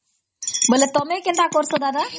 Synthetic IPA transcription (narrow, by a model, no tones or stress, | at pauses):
bəlet̪omẽkent̪akoɾsod̪ad̪a